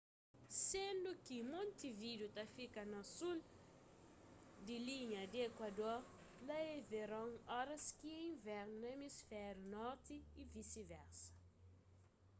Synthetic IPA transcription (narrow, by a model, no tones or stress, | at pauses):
sẽnd̪ʊkimõnt̪ivid̪ut̪ɐfikɐnɐsul | d̪ɪliɲɐd̪ɪekwɐd̪oɾ | lɐeveɾɐ̃ŋɔɾɐskiẽj̃vɛɾnnɐemisfɛɾunɔɾt̪ɪːvisivɛɾsɐ̥